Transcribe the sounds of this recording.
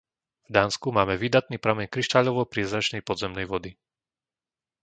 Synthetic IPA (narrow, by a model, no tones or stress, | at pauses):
vd̪aːnskumaːmɛʋid̪at̪niːpɾamɛɲkɾiʃt̪aʎɔʋɔpɾɪɛzɾat͡ʃnɛjpɔd̪zɛmnɛjʋɔd̪i